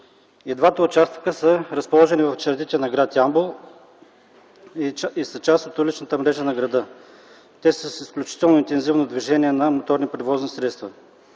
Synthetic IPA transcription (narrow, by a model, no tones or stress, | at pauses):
id̪vat̪əʊt͡ʃast̪kəsəɾəspolˠɔʒɛnivɐft͡ʃɐɾd̪it̪ɛnɐɡɾat̪iambolˠ | isət͡ʃast̪ot̪ulit͡ʃnət̪əmɾɛʒənɐɡɾɐd̪ɤ | t̪ɛsəsisklʲut͡ʃi̥t̪ɛlˠnoint̪ɛnzivnod̪viʒɛniɛnɐmot̪ɔɾnipɾɛvɔznisɾɛt̪st̪vɐ